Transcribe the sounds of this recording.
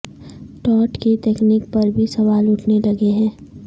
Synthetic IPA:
ʈɔːʈkit̪ɛːkniːk̚pɐɾbʱisɐʋaːlʊʈʰnelɐɡeɦɛ̃ː

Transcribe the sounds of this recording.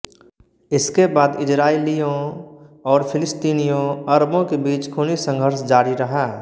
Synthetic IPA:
ɪskebaːd̪ɪsɾaːelijõ | ɔːɾpʰɪlɪst̪iːnijõəɾbõkebiːt͡ʃkʰʊnisə̃ŋɡʱəɾsd͡ʒaːɾiɾɐɦaː

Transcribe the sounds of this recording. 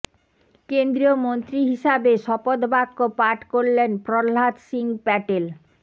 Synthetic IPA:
kend̪ɾiomont̪ɾiɦiʃabeʃɔpod̪bakːopaʈkoɾlenpɾolɦat̪ʃiŋpɛʈel

